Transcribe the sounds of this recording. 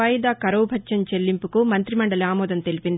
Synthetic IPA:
ɐjd̪aːkɐɾɐwbʱɐtːʃɐnt͡ʃelːimpukumɐnt̪ɾimɐɳɖɐliaːmɔːd̪ɐnt̪e̞lipind̪i

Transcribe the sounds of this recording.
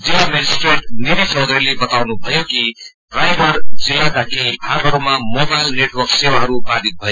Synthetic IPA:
d͡zejamed͡ʒisʈɾeʈniɾit͡ʃʌwd̪ɾelebʌt̪awnubʱʌjoki | ɖɾajbʱʌɾd͡zejak̪akʰeipʰaɾbʱʌɾmamobajlneʈwʌksewaɦʌɾupad̪ʱit̪̚bʱʌjo

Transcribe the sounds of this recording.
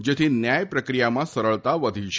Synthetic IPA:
d͡ʒet̪ʰinjajpɾəkɾijamãsəɾəɭt̪aʋəd̪ʱiʃʰ

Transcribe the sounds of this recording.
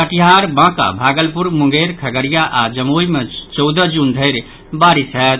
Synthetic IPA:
kəʈiɦaɾbãka̰bʱaɡəlpuɾmũŋɡeɾkʰəɡəɾijaʔad͡ʒəmojmẽt͡ʃɔwd̪əd͡ʒund̪ʱəɪɾ | baɾisɦɛt̪̚

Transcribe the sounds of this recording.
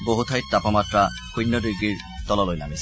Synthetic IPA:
boɦut̪ʰajt̪̚t̪apɔmat̪ɾa | kujnːɔdiɡːiɹ | t̪ɔlɔlojnamis

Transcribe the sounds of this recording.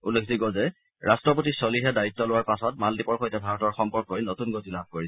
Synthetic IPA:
ulekʰziɡɔzɛ | ɹastɹɔp̬otisoliɦɛdaitːɔlʊwaɹpasɔtmaldipɔɹxojtɛbʱaɹɔtɔɹxɔmpɔɹkːoɹinotunɡotilab̚ʱkoɹisɛ

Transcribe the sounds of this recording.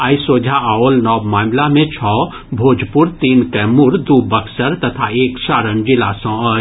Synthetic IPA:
aːjsoːd͡ʒʱaaoːlnɔːbmaːmlamẽt͡ʃʰɔː | bʱoːd͡ʒʱpʊɾt̪iːnkɛmʊɾd̪ubɐksəɾt̪ɐt̪ʰaeːksaːɾənd͡ʒɪlasɔ̃ə

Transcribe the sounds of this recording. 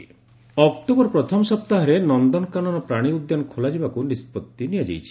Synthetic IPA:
ɔkʈobɔɾpɾɔt̪ʰɔmɔsɔp̚t̪aɦɔɾenɔnd̪ɔnɔkanɔɾɔpɾaɽ̃iud̪ːjanɔkʰolad͡ʒibakunispɔt̪ːinijad͡ʒḛjt͡ʃʰi̥

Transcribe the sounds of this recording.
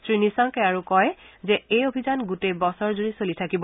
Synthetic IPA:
sɹinisaŋkɛaɹukɔjzɛejobʱizanɡutejbɔsɔɹzuɹisolitʰakibɔ

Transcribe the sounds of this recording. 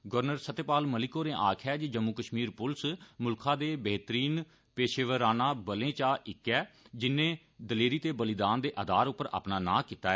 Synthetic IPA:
ɡəɾnəɾsət̪eːpaːlməlɪkoːnẽːʔaːkʰɛːd͡ʒiːd͡ʒəmːuːkəʃmiːɾpʊlsmʊlkʰãːd̪eːbəːt̪əɾiːn | peːʃeːʋəɾaːnãːbəlẽːt͡ʃaːʔɪkːɛːd͡ʒɪnːẽː | d̪əleːɾiːt̪eːbəlɪd̪aːnd̪eːʔəd̪aːɾʊpːəɾa̰ːpnaːnã̰ːkiːt̪aːɛː

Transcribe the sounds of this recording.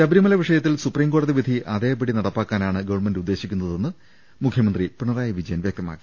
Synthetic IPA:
t͡ɕɐbɾimɐlɐʋiʂɐjɐt̪ːilsupriːmko̞ːɽɐðiʋid̪ʱiʔɐðeːbiɽinɐɽɐpːaːkːaːnaːɳɨɡɐʋɐɳmendud̪ːe̞ːɕikʲːunːɐðe̞nːɨ | mukʰjɐmɐnd̪ripriɳɐraːjɐʋid͡ʑɐjɐnʋjɐk̚t̪ɐma̰ːkːi̥

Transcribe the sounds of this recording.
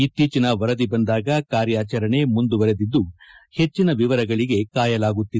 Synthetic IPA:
it̪ːiːt͡ʃinɐʋɐɾɐd̪ibɐnd̪aːɡɐkaːɾjaːt͡ʃɐɾɐɳe̞mund̪uʋɐɾe̞d̪id̪ːuhe̞t͡ʃːinɐʋiʋɐɾɐɡɐɭiɡe̞kaːjɐlaːɡut̪ːi

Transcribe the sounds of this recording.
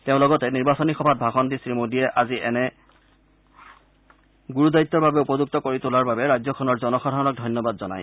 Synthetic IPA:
teʊ̃lɔɡɔtɛniɹbasɔnixɔbʱat̚bʱaxɔntisɹimodiɛʔaziʔɛnɛ | ɡuɹuzajitːɔɹbabɛupɔzuk̚tɔkoɹitolaɹbabɛɹajzɔkʰɔnɔɹzɔnɔxadʱaɹɔnɔk̚dʱɔjnjɔbadzɔna̰j

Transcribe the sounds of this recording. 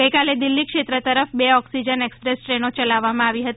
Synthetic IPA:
əjkaled̪ilːikʃet̪ɾət̪əɾəfbeɔksid͡ʒənekspɾesʈɾenot͡ʃəlaʋːamãaʋiɦət̪

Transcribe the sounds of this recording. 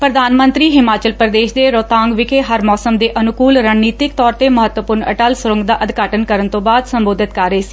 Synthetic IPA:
pɾəd̪aːnmənt̪ɾiːɦɪmaːt͡ʃəlpɾəd̪eːʃd̪eːɾoːt̪ãːŋɡʋɪkʰeːɦəɾmɔːsəmd̪eːʔənʊkuːlɾaːnːiːt̪ɪkt̪ɔːɾt̪eːməɦət̪wəpʊɾnə̰ʈəlsʊɾə̃ŋɡd̪aːʔəd̪kaːʈənkəɾənt̪õːbaːd̪səmboːd̪ɪt̪kəɾəeːsi̥ː

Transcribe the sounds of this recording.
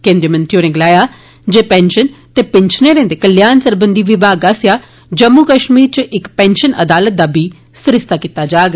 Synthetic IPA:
kẽnd̪ɾiːmə̃nt̪ʰijoːɾẽːɡɪlaːjaː | d͡ʒeːpɛːnʃənt̪eːpɪnʃəneːɾẽːnd̪eːkəljaːnsəɾbənd̪iːʋɪbaːɡaːsjaː | d͡ʒəmːuːkəʃmiːɾt͡ʃʔɪkpɛ̃ːnʃənʔə̰d̪aːlət̪̚d̪aːbiː | sɪɾɪst̪aːkit̪ːaːd͡ʒaːɡ

